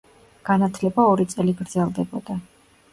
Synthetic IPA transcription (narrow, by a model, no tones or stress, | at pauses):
ɡ̥anat̪ʰlɛbaɔɾit̪sʼɛliɡɾd̪zɛlˠd̪ɛbɔd̪a